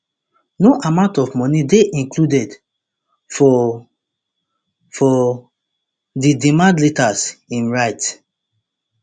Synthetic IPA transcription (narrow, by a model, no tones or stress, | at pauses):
noʔamãʊ̃ntɔvmɔnideʔĩŋkludɛd | fɔ | fɔ | didimãndletasĩnɹaɪt